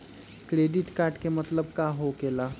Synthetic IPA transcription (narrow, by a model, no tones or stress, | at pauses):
kɾeːɖɪʈkaːɾʈkemɐt̪ləb̚kaːɦokeːlaː